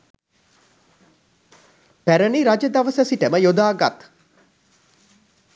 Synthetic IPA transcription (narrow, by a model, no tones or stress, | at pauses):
pæɾəniɾad͡ʒəd̪aʋəsəsiʈəməjod̪aːɡat̪